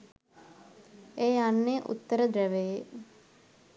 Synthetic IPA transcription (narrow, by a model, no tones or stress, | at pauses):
eːanːeʔṵt̪ːəɾəd̪ɾæʋej